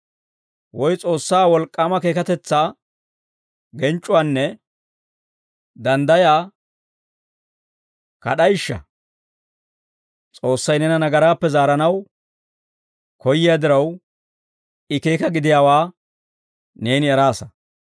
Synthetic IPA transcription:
wɔjt͡sʼo̞ːsːaːwɔlkʼːaːmɐke̞ːkɐt̪ɛt͡sːaː | ɡɛnt͡ʃʼːʊwaːnːɛ | d̪ɐnd̪ɐjaː | kɐ̰ɗɐjɪʃːɐ̰ | t͡sʼo̞ːsːɐjnɛnɐnɐɡɐɾaːpːɛzaːɾɐnɐw | kɔjɪjaːd̪ɪɾɐw | ɪke̞ːkɐɡɪd̪ɪjaːwaː | ne̞ːnɪɛɾaːsɐ

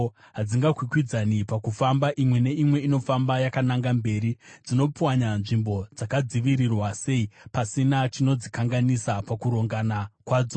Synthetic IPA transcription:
ɦad͡ziŋɡakwikwid͡zanipakufambaʔimwe̞ne̞imwe̞ino̞fambajakanaŋɡambe̞ːɾid͡zino̞pwaɲanʐimbo̞d͡zakad͡ziʋirirwase̞ipasinat͡ʃino̞d͡zikaŋɡanisapakuɾoŋɡanakwaːd͡zo

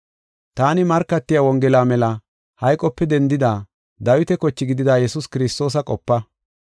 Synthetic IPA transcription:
t̪aːnɪmɐɾkːɐt̪ːɪjawɔŋɡɛlaːmɛlɐ | hɐjkʼːɔpːɛd̪ɛnd̪ɪd̪aː | d̪ɐwɪt̪ɛkɔt͡ʃːɪɡɪd̪ɪd̪aːjɛsʊskɪɾɪst̪ːo̞ːs̬ɐkʼɔpːɐ

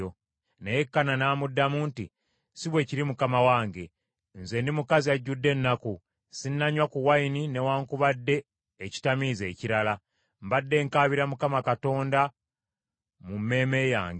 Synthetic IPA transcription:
o | nejekːananaːmudːamuːnti | siβwe̞ciɾimukamawaːŋɡe̞ | nze̞ndimukaziaɟːudːe̞nːaku | sinːaɲwakuwainine̞waːŋkuβadːe̞ː | ci̥tamize̞ːciɾala | mbadːe̞ːŋkaːβiɾamukamakato̞ːnda | mumːe̞ːme̞ja̰ːŋɡe

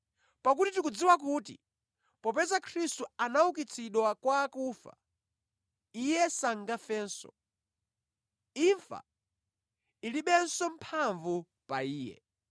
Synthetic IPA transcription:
pak̬utitik̬ud͡ziwak̬uːtḭ | pɔpɛzakʰɾistuanauk̬it͡sʰiɗwakwaːkuːfa̰ | ijɛsaŋɡafɛːnsɔ̰ | iɱfa̰ | iliɓɛnsɔmpʰaɱvu | paiːjɛ̰

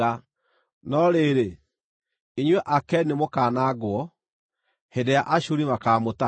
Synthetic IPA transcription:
a | nɔɾeɾe | iɲwɛʔakɛnemokaːnaɡwɔ | hedejaʔaɕoɾimakaːmota

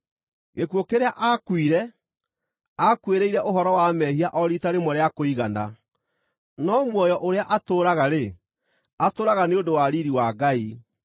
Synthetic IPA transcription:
ɣekwokeɾeaʔakwiɾɛ | akweɾeiɾɛʔoɦɔɾɔwamɛhiaʔɔɾitaɾemɔɾeakoiɣana | nɔmwɔjɔʔoɾeaʔatoːɾaɣaɾe | atoːɾaɣaneondowaɾiɾiwaɡai

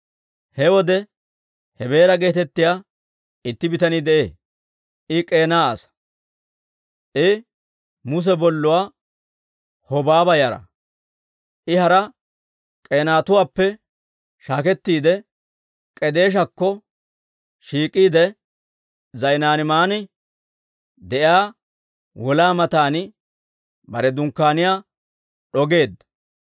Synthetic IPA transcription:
hɛwɔd̪ɛ | hɛbe̞ːɾɐɡe̞ːt̪ɛt̪ːɪjaː | ɪt̪ːɪbɪt̪ɐnɪd̪ɛʔḛː | ʔɪkʼe̞ːnaːɐsɐ̥ | ʔɪ | mʊs̬ɛbɔlːʊwaː | hɔbaːbɐjɐɾɐ̰ | ʔɪhɐɾɐ | kʼe̞ːnaːt̪ʊwaːpːɛ | ʃaːkɛt̪ːiːd̪ɛ | kʼɛd̪e̞ːʃ̬ɐkːɔ | ʃiːkʼːiːd̪ɛ | zɐjnaːnɪmaːnɪ | d̪ɛʔjaː | wɔlaːmɐt̪aːnɪ | bɐɾɛd̪ʊŋkːaːnɪjaː | ɗɔɡe̞ːd̪ːɐ

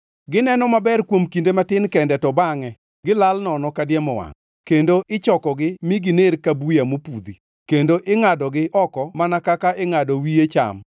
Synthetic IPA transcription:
ɡɪnɛnɔmabɛrkwomkindematɪnkɛndɛtɔbaŋɛ | ɡɪlalnɔnɔkadjɛmɔwa̰ŋ | kendoʔɪt͡ʃɔkɔɡɪmiɡɪneɾkabujamopud̪i | kendoʔɪŋadɔɡɪʔɔkɔmanakakaʔɪŋadɔwijet͡ʃa̰m

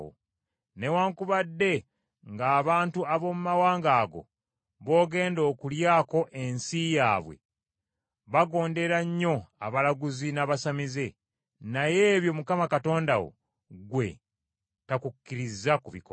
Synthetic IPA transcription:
o̰ | ne̞waːŋkuβadːe̞ | ŋɡaːβaːntuaβo̞mumawaːŋɡaːɡo̞̰ | βo̞ːɡe̞ːndo̞ːkuljaːko̞ʔe̞nsijaːβwe̞̰ | βaɡo̞ːnde̞ɾaɲːo̞aβalaɡuzinaβasamize̞ | naje̞ːβjo̞mukamakato̞ːndawo̞̰ | ɡwe̞̰ | takukːiɾizːakuβiko

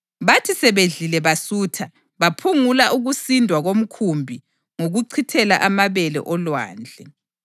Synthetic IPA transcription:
βatʰisɛβeɮilɛβasuːtʰa | βapʰuŋulaʔuɣusindʱwaɣom̩kʰumbʱi | ŋoɣuǀʰitʰɛla̰ʔamaβɛlɛ̰ʔɔlwa̰ːnd͡ɮʱɛ

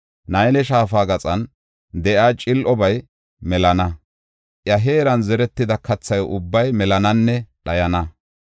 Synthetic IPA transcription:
nɐjnɛʃaːfaːɡɐt͡sʼɐn | d̪ɛʔaːt͡ʃʼɪlʔɔbɐj | mɛlɐnɐ | ʔjɐɦeːɾɐnzɛɾɛt̪ːɪd̪ɐkʰɐt͡sːɐjʔʊbːɐjmɛlɐnɐnːɛɗɐjɐnɐ

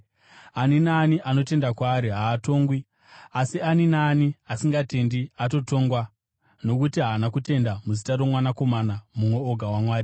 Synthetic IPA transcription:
aninaːniʔano̞te̞ndakwaːɾiɦaːto̞ːŋɡwi | asianinaːniasiŋɡate̞ndiato̞to̞ŋɡwa | no̞kutiɦaːnakute̞ndamuzitarwomwanako̞manamumwe̞oɡʱawamwaːri

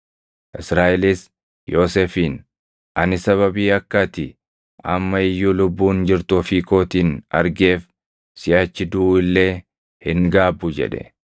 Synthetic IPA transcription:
ʔɪsɾaːʔɛlɪs | jo̞ːseːfiːn | ʔɐnɪsɐβɐbiːɐkːɐt̪ɪ | ʔɐ̰mːɐɪjːʊlʊbːuːnd͡ʒɪɾt̪ɔfiːkoːt̪iːnɐɾɡe̞ːf | sɪʔat͡ʃːɪd̪uːɪlːe̞ː | hɪŋɡaːbːʊd͡ʒɛ̰ᶑɛ̰

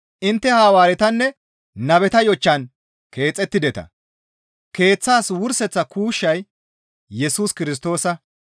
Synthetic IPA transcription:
ʔɪnt̪ːɛhaːwaːɾɛt̪ɐnːɛ | nɐbɛt̪ɐjɔt͡ʃːɐn | ke̞ːt͡sʼːɛt̪ːɪd̪ɛt̪ɐ̰ | ke̞ːt͡sːaːswʊɾsɛt͡sːɐkuːʃːɐj | jɛsuːskɪɾɪs̬t̪o̞ːsɐ

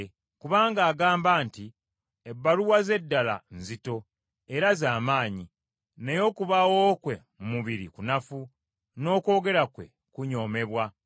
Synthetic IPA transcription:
kuβaːŋɡaːɡaːmbaːnti | ebːaluwaze̞dːala̰nzito̞ | e̞ɾazaːmaːɲi | nejo̞kuβawokwe̞ | mumuβiɾḭkunafu | no̞ːko̞ːɡe̞ɾakwe̞̰ | kuɲo̞ːme̞βwa

